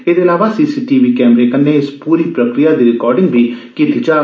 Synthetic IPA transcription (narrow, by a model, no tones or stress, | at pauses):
eːd̪eːɪlaːʋaːsiːsiːʈiːʋiːkɛːmɾeːkənːeːɪspuːɾiːpɾəkɾɪjaːd̪iːɾɪkɔːɾɖɪ̃ŋɡbʱiːkiːt̪iːd͡ʒaː